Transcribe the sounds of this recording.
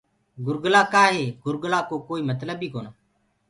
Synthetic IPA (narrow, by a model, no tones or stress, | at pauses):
ɡʊɾɡəlaːkaːɦeːɡʊɾɡlaːkoːkoːiːmət̪ləbiːkoːnaː